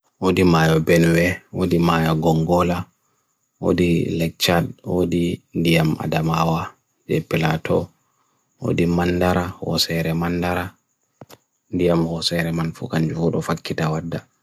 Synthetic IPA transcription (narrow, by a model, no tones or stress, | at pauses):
wodimajɔbɛnwɛwodimajɔɡɔŋɡɔla | wo̰dilɛk̚t͡ʃadwo̰dindijama̰damawa | d͡ʒɛ̰pilatʰɔ | wo̰dimanːdaɾahɔ̰sɛɾɛmanːdaɾa | ndijamhɔsɛɾɛmanfṵkaɲd͡ʒuuɗɔfakːitawadːa